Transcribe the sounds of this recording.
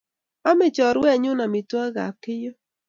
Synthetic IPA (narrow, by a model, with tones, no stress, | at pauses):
a˦mɪ˦˨t͡ʃɔ˨ɾwɛ˦˨ɲʊ˦na˨mɪ˨twa˦ɣa̰˨kɪ˦jɔ˦